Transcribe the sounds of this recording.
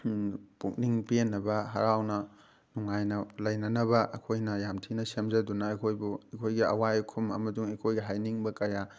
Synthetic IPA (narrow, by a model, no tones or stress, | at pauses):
puk̚niŋpienːɐbɐɦɐ̰ɾawnɐ | nuŋajnɐlɐjnɐnɐβɐʔɐ̰kʰojnɐjamtʰinɐsemzɐdunɐɐkʰojbuɐkʰojɡiɐ̰wajkʰumɐ̰mɐduŋekʰojɡiɦajniŋbɐkɐja